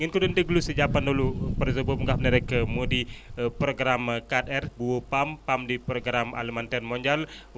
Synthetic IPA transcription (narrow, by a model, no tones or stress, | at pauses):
ŋənkudəndəɡulusəd͡ʒapanolupərzəbəmuŋɡahnəɾəkəmudipɾoɡɾamkat̪ɛrbuopampamdipɾoɡɾama̰ləmant̪ɛrmoɲd͡ʒal